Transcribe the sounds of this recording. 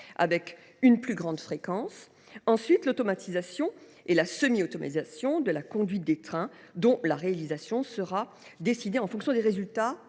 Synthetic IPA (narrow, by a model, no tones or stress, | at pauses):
a̰vɛk | ynplyɡʁɑ̃d̪fχekɑ̃s | ɑ̃sɥit̪lot̪ɔmat̪ʰizasjɔ̃ | elasəmiot̪ɔma̰t̪izasjɔ̃d̪əlakɔ̃d̪ɥit̪̚d̪et̪χɛ̃ | d̪ɔ̃laʁealizasjɔ̃səʁa | d̪esid̪eɑ̃fɔ̃ksjɔ̃d̪eʁezylt̪a